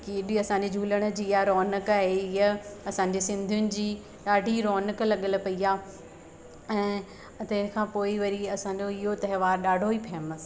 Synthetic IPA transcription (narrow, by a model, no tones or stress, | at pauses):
kiɗɪɐsãɲd͡ʑed͡ʑʱuːləɽ̃ə̆d͡ʑiːjaɾɔːnəkaːɦeɪɦəɐsãːɲ̆d͡ʑeːsɪ̃nd̪ʱijʊnɪ̆d͡ʑiː | ɗaːɖʱiɾɔːnəklɐɠəl̆pɐiaː | ɛ̃ː | t̪ɐɦɪnə̆kʰãːpoːiʋɐɾiɐsãːɲd͡ʑoɪɦot̪ɐɦɪʋaːɾɗaːɖʱoiːpʰɛːməs